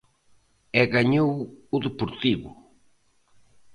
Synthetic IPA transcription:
ɛɣaɲowʊðepoɾt̪iβʊ̰

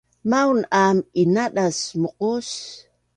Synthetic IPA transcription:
mawnʔaminaɗasmoqos

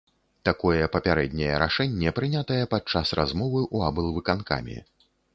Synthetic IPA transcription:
t̪akɔjɛpɐpʲaɾɛd̪ʲnʲɛjɛ̰ɾa̰ʂɛnʲːɛpɾɨnʲat̪ɐjɛpat͡ʂːasrazmɔvɨʔuabɨlˠvɨkanka̰mʲḭ

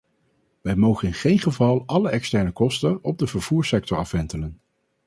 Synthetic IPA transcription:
ʋɛjmowχənɪnχejnχəvɑlˠɑləɛkstɛɹnəkɔstəɔb̚dəvəɹv̥uːɹsɛk̚tɔɹɑfʋɛntələn

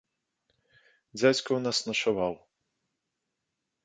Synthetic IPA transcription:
d͡zʲat͡sʲkɐwnasnɐʂavaw

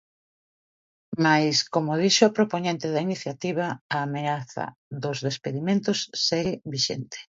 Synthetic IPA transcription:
majskomoð̞iʃopɾopoɲẽnt̪eðainiθjat̪iβ̞ɐaːmeaθɐ̰ðʊzðespeðimẽnt̪ʊsːeɣɪbiʃḛnt̪e̥

